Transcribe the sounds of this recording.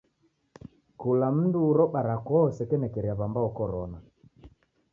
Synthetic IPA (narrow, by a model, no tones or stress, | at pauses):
kulam̩nduːɾɔɓaɾakɔɔsɛkɛnɛkɛɾiaβambaɔkɔɾɔna